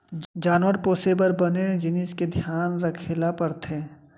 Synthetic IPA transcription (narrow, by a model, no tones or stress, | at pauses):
d͡ʒaːnʋəɾpoːsebəɾbəned͡ʒɪnɪsked̪ʱjaːnɾəkʰelapəɾt̪ʰẽ